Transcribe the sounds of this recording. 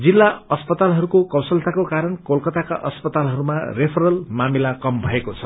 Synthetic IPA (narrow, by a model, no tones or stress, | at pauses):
d͡zilːaʌspʌt̪alɦʌɾukokʌwsʌlt̪akokaɾʌnkolkʌt̪aka̰ʔʌspʌt̪alɦʌɾumarepʰʌɾʌlmamilakʌmbʱʌekot͡sʰʌ